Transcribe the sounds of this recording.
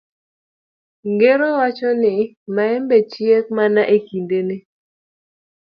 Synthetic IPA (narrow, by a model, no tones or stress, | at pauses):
ŋɡeɾɔwat͡ʃɔnɪ | maɛmbɛt͡ʃjek̚manaʔekindene